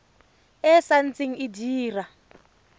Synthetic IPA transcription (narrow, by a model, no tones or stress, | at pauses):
ɛsant͡siŋidiːra